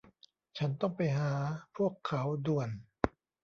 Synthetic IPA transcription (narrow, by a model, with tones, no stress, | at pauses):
t͡ɕʰa˦˥nt̪ɔ˥˩ŋpa˧jɦaː˩˦pʰu˥˩əkʰːa˩˦wdu˨˩ən